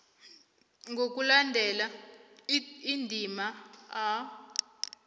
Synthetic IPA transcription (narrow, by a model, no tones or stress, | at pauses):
ŋɡʱok̬ʼulandʱɛla | indʱimaa